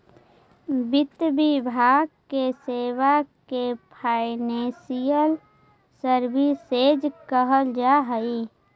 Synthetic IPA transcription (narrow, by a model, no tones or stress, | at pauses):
bɪt̪bibʱaːɡ̚keseːwakepʰaːɪnẽsijəl | səɾbised͡ʒkəɦəld͡ʒaɦəi